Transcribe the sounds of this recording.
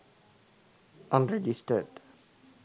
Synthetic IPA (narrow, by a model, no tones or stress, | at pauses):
ʔãnɹɛd͡ʒistəd